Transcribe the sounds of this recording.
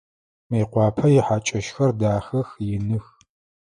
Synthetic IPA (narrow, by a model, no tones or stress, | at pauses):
meːqʷɑːpʰɐjɪħaːt͡ʃʼɐʃxɐrdaːxɐxjɪnɨx